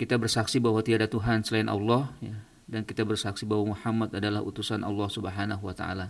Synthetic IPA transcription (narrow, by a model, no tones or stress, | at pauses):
kit̪abərsaksibaɦwat̪iadat̪uɦansəlaɪnʔɑ̰lːɔhja | dankit̪abərsaksibaɦwamuħamːat̪adalahṵt̪usanʔɑ̰lːɑhsubəɦanaɦuwat̪a̰a̰la